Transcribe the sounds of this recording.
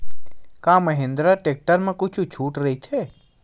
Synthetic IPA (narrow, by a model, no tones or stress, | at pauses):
kãːməɦẽnd̪ɾaʈeːk̚ʈəɾmẽkʊt͡ʃʰut͡ʃʰuːʈɾɐɦit̪ʰe